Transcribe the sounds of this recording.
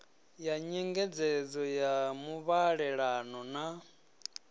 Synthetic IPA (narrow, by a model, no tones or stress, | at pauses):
jaɲɛŋɡɛd͡zɛd͡zɔjamuβaɺɛɺanɔna